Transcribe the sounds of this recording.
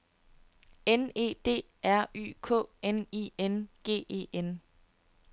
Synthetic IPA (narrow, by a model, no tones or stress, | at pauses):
ene̝̰ːd̥e̝̰ː | æɐ̰ʔy̰ːkʰɔ̰̽ːenḭenɡ̥e̝̰ːe̝̰ːen